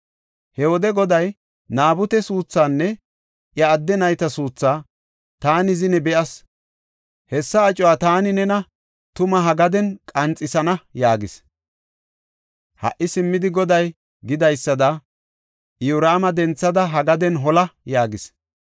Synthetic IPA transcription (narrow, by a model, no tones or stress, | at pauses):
hɛwɔd̪ɛɡɔd̪ɐj | naːbʊt̪ɛsuːt͡sːaːnːɛ | ʔjɐːd̪ːɛnɐjt̪ɐsuːt͡sːaː | t̪aːnɪzɪnɛbɛʔɐs | hɛsːɐːt͡ʃʼɔwaːt̪aːnɪnɛnɐ | t̪ʊmɐɦɐɡɐd̪ɛnkʼɐnt͡sʼːɪsɐnɐjaːɡɪs | hɐ̰ʔɪsɪmːɪd̪ɪɡɔd̪ɐj | ɡɪd̪ɐjsːɐd̪ɐ | ʊɾaːmɐd̪ɛnt͡sːɐd̪ɐɦɐɡɐd̪ɛnɦɔlɐjaːɡɪs